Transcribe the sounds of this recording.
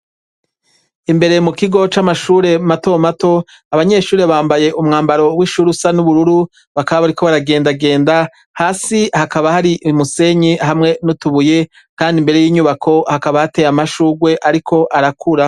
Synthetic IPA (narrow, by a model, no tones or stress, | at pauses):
imbe̞ɾe̞mukiɡo̞t͡ʃamaʃuːɾe̞mato̞mato̞ | aβaɲe̞ʃuːɾeβaːmbaje̞ʔumŋaːmbaɾo̞wiʃuːɾusanuβuɾuɾu | βakaβaβaɾikʰo̞βaɾaɡe̞ːndaɡe̞ːnda | haːsihakaβahaɾiʔmuse̞ɲiɦamŋe̞nutuβuje | kaːndimbe̞ɾe̞jiːɲuβakʰo̞hakaβahate̞jamaʃuːɡwe̞ʔaɾikʰo̞ʔaɾakʰuɾa